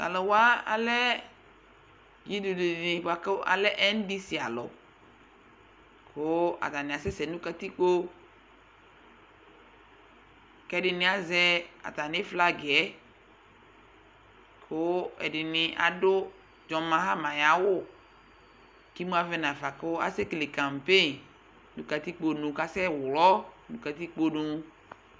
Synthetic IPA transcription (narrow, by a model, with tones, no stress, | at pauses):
a̰˨lɔ˨wa˦a̰˨lɛ˦ | ɡi˦du˨du˨nĩ˨ka˨ke˦ʔa̰˨lɛ˦ʔɛ˦n˦di˦si˨a̰˨lɔ̰˨ | kʰo˦a̰˨t̪a˨nɪ̃˨a˨sɛ˦sɛ˨nũ˦ka˦t̪i˦k͡po˦ | kɛ˦˨dɪ˨nɪ̃˨a˨zɛ˦a̰˨t̪a˨nɪ̃˦fla˦ɡɛ˨˦ | kʰo˦ɛ˨ɖɪ˨nɪ̃˨ʔa̰˨ɖo˦ | d͡ʒɔ˨mã˦ɦã˦mã˨ja˨wo˦ | ki˦mũ˦a˦vɛ˦nã˨fa˨ko˦a̰˦se˦kle˨kã˨m˨pe˦ | nũ˦ka˨t̪i˦k͡po˦nũ˨ka˦sɛ˦wlɔ˦nũ˦ka˨t̪i˦k͡po˦nũ˨